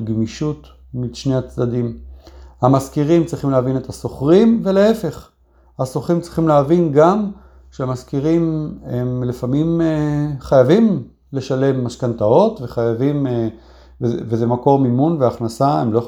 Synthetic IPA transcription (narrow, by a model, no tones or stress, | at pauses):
ɡmiʃut̪ | miʃneat͡sd̪ad̪imhamaskiʁimt͡sʁiχimleavine̞t̪haso̞χʁimve̞leefe̞χ | haso̞χʁimtt͡sʁiχimleavinɡam | ʃeamaskiʁimemlefamimeχajavim | le̞ʃale̞mːaʃkant̪ao̞t̪ve̞χajavime | vvezemako̞ʁmimunveaχnasaḛmloj